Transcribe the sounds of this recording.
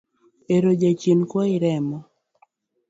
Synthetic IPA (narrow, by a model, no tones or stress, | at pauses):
eɾod͡ʒat͡ʃjenkwɔɪɾɛmɔ